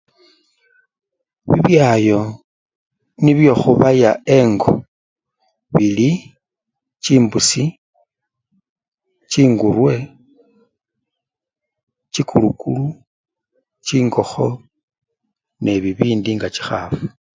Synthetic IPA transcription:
βḭβjaːjo̞ | niβjo̞xuβajae̞ŋɡo | βili | t͡ʃiːmbusi | t͡ʃiːŋɡurwe̞ | t͡ʃikʰulukulu | t͡ʃiːŋɡo̞xo̞ | ne̞βiβiːndiŋɡat͡ʃi̥xa̰ːfu

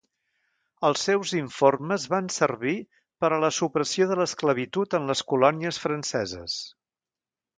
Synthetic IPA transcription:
əlˠsːewziɱforməzβansərβi | pəɾələsupɾəsioðələskləβ̞it̪ut̪ənləskulɔniəsfɾənsɛzə̰s

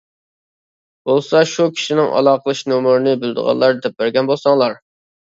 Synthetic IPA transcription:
b̥olˠsɑʃukʲʰi̥ʃinɪŋʔɑ̰lˠɑːqʰəlˠɨʃnomuɾɨnɪbɪld̪ə̰ʁɑ̰lˠːɑɾd̪ɛp̚bɛɾɡʲɛnbolˠsɑŋlˠɑɾ

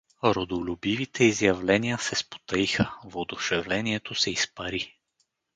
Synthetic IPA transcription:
ɾod̪olʲubivit̪ʰɛizjɐvlɛnijəsɛspo̥t̪ɐixəvod̪ʊʃɛvlɛniɛt̪ʰosɛispɐɾi

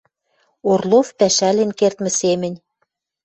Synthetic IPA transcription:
orlˠofpæʃælenkert̪mɘ̆semɘ̆nʲ

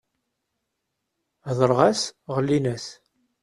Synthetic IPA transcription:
ðˤəɾˤʁæsʁəlːinæs

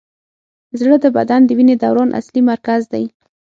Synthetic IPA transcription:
zɽəd̪əbad̪and̪əwined̪awɾɑnʔa̰slimaɾkazd̪aj

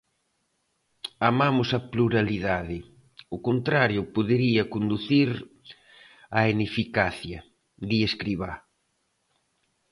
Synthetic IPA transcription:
amamʊsɐpluɾaliðaðɪ | ʊkont̪ɾaɾjʊpoðeɾiɐkond̪uθiɾ | aenefikaθjɐ | d̪ieskɾiβ̞a

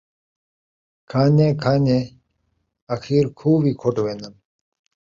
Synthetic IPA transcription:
kʰaːnekʰaːne | ɐxʰiːɾkʰuːbikʰoʈwenɐm

